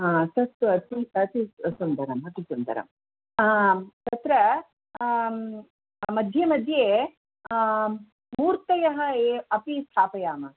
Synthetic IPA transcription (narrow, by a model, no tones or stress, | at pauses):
at̪ɐt̪ːuɐt̪iɐt̪isund̪ɐɾɐmɦɐt̪isund̪ɐ̰ɾɐ̰m | aːt̪ɐt̪ɾɐ | mɐd̪ʱjemɐd̪ʱjeː | muːɾt̪ɐjɐɦɐeːɐpist̪ʰaːpɐjaːmɐ